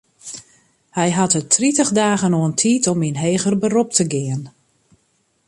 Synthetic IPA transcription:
hɛjɦatətʰritəxdaːɣənoəntʰiːtɔminɦeːɣərbərop̚təɡɪən

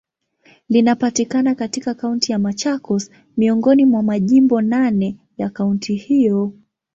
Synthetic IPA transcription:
linapatikanakatikakauntijamat͡ʃakɔs | miɔŋɡɔnimwamaʄimbɔnanɛ | jakauntʰihijɔ

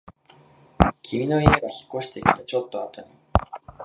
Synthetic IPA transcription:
kʲʰimʲino̞eeɡaçi̥kːo̞ɕi̥t̪e̞kʲi̥t̪at͡ɕo̞t̪ːo̞at̪oɲ̟i

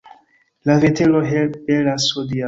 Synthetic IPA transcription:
lavetʰeloɦelp̚belasodia

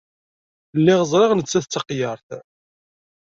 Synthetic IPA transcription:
lːɪʁəzˤɾɪʁnət͡sːæθt͡sːɑqjəɾˤθ

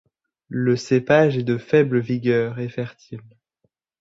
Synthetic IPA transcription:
ləsepaʒɛd̪əfɛbləviɡʲœːʁɛfɛʁt̪ʰil

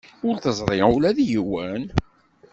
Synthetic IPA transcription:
ʊɾθəzˤɾˤɪʊlæðjiwæn

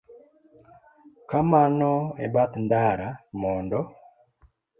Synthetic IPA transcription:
kamanɔebat̪ndaɾamɔndɔ

